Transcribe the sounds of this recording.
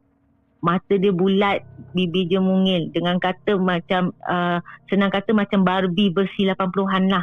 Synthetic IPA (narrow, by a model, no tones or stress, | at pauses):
mat̪ədiəbulat̪̚bibid͡ʒəmuŋɪldəŋankat̪əmat͡ʃaməsənaŋkat̪əmat͡ʃambarbibərsilapanpuluɦanlah